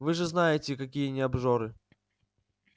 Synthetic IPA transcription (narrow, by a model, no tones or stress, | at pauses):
vɨʐɨznajɪtʲɪkɐkʲijənʲɪɐbʐoɾɨ